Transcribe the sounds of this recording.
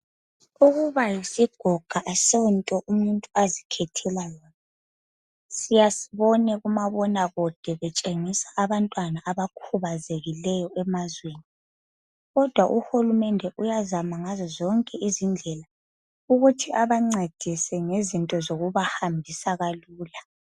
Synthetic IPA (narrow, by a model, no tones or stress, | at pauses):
uɣuβajisiɡ̥ʱɔɡ̥ʱaʔaseuntʼɔʔumuntʼuazikʰɛtʰɛlajɔːna | sijasi̥βɔnɛɣumaβɔnaɣɔd̥ʱɛβɛt͡ʃʼeŋisaʔːβantʼwanaʔaβakʰuβazeɣilɛjɔʔɛmazweːni | ɣɔd̥ʱwaʔuhulumɛndʱɛʔujazamaŋazɔzɔŋkʼɛʔizind͡ɮʱɛla | uɣutʰiaβaŋ͡ǀed̥ʱisɛŋezintʼɔzoɣuβahambʱisaɣaluːla